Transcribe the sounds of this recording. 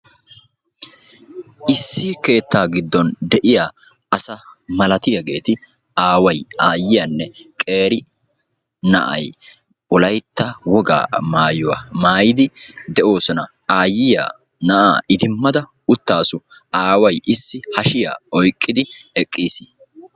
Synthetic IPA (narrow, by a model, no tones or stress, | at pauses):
ʔɪsːiːke̞ːt̪ːaːɡɪd̪ːɔnd̪ɛʔɪjaː | ɐsɐmɐlɐt̪ɪjɐɡe̞̰ːt̪ɪ | aːwɐjaːjːɪjɐnːɛkʼe̞ːɾɪ | nɐ̰ʔɐ̰j | ʊlɐjt̪ːɐwɔɡa̰ːmaːjɔwa̰ːmaːjɪd̪ɪd̪ɛʔo̞ːsɔnɐ | aːjɪja̰ː | nɐʔa̰ːɪd̪ɪmːɐd̪ɐ | ʊt̪ːaːsʊ | aːwɐjʔɪsːɪhɐʃɪja̰ːɔjkʼːɪd̪ɪɛkʼːiːsɪ̥